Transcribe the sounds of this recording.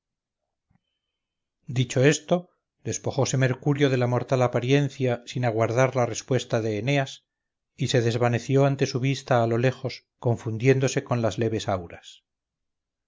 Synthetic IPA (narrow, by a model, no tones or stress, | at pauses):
d̪it͡ʃo̞e̞st̪o̞ | d̪e̞spo̞χo̞se̞me̞ɾkuɾjo̞ð̞e̞lamo̞ɾt̪alapaɾje̞nθjasinaɣwaɾðaɾlare̞spwe̞st̪aðe̞ːne̞as | ise̞ðe̞zβane̞θjo̞ant̪e̞suβist̪aːlo̞le̞xo̞s | ko̞ɱfund̪je̞nd̪o̞se̞ko̞nlazle̞β̞e̞sawɾas